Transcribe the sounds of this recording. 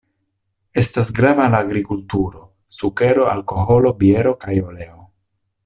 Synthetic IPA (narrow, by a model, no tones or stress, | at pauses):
e̞stasɡɾavalaːɡɾikultuɾo̞ | suke̞ɾo̞a̰lko̞ɦo̞lo̞bie̞ɾo̞kajo̞le̞o